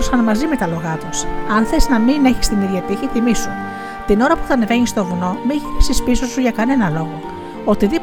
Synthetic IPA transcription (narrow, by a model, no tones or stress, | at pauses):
osɐnmɐzime̞t̪ɐlo̞ɣɐt̪usɐnθe̞znɐmine̞çi̥st̪iniðʝɐt̪içiθimisu | t̪ino̞ɾɐpu̥θɐneve̞ɲist̪o̞vuno̞miʝiisispisosuʝɐkɐne̞nɐlo̞ɣo̞ | ot̪iðip